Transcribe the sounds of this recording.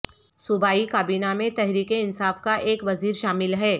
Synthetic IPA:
sʊbaːikaːbiːnamẽt̪ɛɦɾiːkeɪnsaːfkaʔeːkʋɐziːɾʃaːmɪlɦɛː

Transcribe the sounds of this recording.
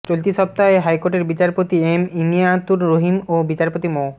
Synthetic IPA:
t͡ɕolt̪iʃɔp̚t̪aeɦajkoʈeɾbit͡ɕaɾpot̪iemimijat̪uɾɾoɦimobit͡ɕaɾpot̪imo

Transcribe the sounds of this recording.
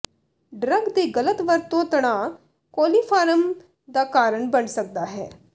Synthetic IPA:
ɖɾəɡd̪eːɡələt̪ʋəɾt̪õːt̪əɽ̃aː | koːliːpʰaːɾəm | d̪aːkaːɾəɳbəɳsək̚d̪aːɦɛ̰ː

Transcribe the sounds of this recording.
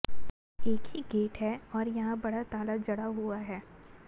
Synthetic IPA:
eːkhiɡeːʈɦɛɔːɾjɐɦãbɐɽat̪aːlad͡ʒɐɽaɦuaɦɛː

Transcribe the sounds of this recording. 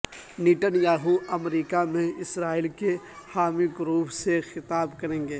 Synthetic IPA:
niʈənjaːɦuɐmɾiːkamẽɪsɾaːilke | haːmiɡʊɾuːpsexɪt̪aːbkɐɾẽːŋɡeː

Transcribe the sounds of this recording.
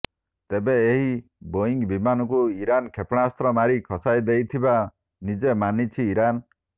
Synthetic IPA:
t̪ebeeɦi | boiŋɡbimanɔk̬uiɾankʰepɽ̃ast̪ɾɔmaɾikʰɔsajd̪ejt̪ʰiba | nid͡ʒemanit͡ʃʰiːɾan

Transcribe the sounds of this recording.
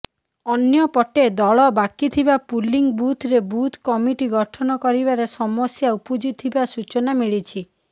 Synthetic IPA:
ɔnjɔpɔʈed̪ɔɭɔbakit̪ʰibapuliŋbut̪ʰɾebut̪ʰkɔmiʈiɡɔʈʰɔnɔkɔɾibaɾesɔmɔsjaupud͡ʒit̪ʰibasut͡ʃɔnamiɭit͡ʃʰi

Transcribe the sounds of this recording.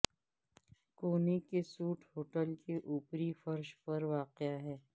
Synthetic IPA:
koːnekesuːʈʰhoːʈəlkeʔuːpɾifɐɾʃpɐɾʋaːqɪaɦɛː

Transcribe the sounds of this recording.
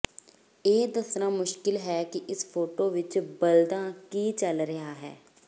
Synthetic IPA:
eːd̪əsnãːmʊʃkɪlɦɛːkɪʔɪspʰoːʈoːʋɪt͡ʃbəld̪ãːkiːt͡ʃəlɾəɦaːɦɛ̰ː

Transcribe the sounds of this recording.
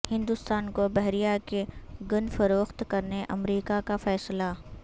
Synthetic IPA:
hɪ̃nd̪ʊst̪aːnkobɛɦɾijakeɡʊnfɐɾoːxt̪kɐɾneʔɐmɾiːkakafɛːsla

